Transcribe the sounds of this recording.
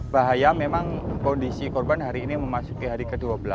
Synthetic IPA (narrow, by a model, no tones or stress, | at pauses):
baɦajamemaŋkɔndisikɔrbanɦaɾiːniməmasukiɦaɾikəduabəla